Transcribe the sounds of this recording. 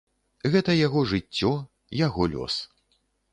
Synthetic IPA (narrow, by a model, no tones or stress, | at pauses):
ɣɛt̪ɐjaɣɔʐɨt͡sʲːɔ | jaɣɔlʲɔ̰s